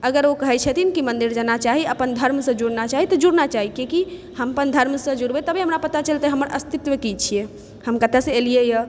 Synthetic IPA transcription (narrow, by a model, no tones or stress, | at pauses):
əɡəɾokəɦɛt͡ʃʰət̪ʰinkimənd̪iɾd͡ʒanat͡ʃaɦiəpənd̪ʱəɾmsə̃d͡ʒuɽnat͡ʃaɦit̪ɔd͡ʒuɽnat͡ʃaɦikiki | həmpənd̪ʱəɾmsə̃d͡ʒuɽbɛt̪əbiɦəmɾapət̪at͡ʃəlt̪əɦəməɾʔəst̪it̪ʋəkit͡ʃʰie | həmkət̪esẽelijejə